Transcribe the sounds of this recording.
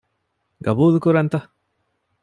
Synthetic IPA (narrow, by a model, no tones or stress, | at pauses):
ɡɐbuːlukuɾɐnt̪ɐ